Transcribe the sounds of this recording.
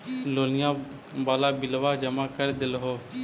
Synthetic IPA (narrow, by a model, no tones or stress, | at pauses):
loːlɪjãː | baːlaːbɪlʋaːd͡ʒəmaːkəɾd̪ɪlɦoː